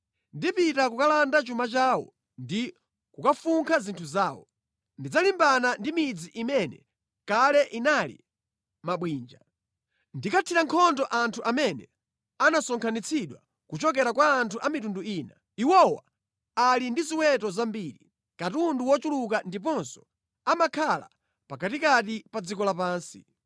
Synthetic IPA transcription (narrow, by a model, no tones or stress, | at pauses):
ndipitakukalandat͡ʃumat͡ʃaːwɔ̰ | ndi | kukafuŋkʰazintʰuzaːwɔ̰ | ndid͡zalimbanandimid͡ziʔimɛnɛ | kalɛʔinalḭ | maɓwiːnd͡ʒa | ndikatʰiɾaŋkʰɔndɔʔantʰuʔamɛnɛ | anasɔŋkʰanit͡sʰiɗwa̰ | kut͡ʃɔk̬ɛɾakwaːntʰuʔamitunduiːna | iwɔwa̰ | alindiziwɛtɔzambiːɾi | katunduwɔt͡ʃulukandip̬ɔnsɔ̥ | amakʰala̰ | pakatikatipad͡zikɔlapaːnsi